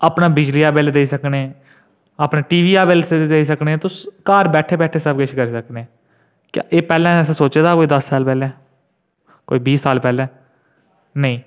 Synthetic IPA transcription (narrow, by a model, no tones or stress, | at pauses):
aːpnaːbɪd͡ʒliːaːbeːld̪eːisəkneː | aːpnaːʈiːʋiːaːbeːlsed̪eːisəknet̪õːkaːɾbɛːʈʰeːbɛːʈʰeːsəbkeʃʰkəɾiːsəknẽː | kja̰ːʔeːpɛːlɛ̃ːɛːsẽːsoːt͡ʃeːd̪aːkoːiːd̪əsːaːlpɛːlɛ̃ː | ko̰ːiːbiːsːaːlpɛːlɛ̃ː | nəĩː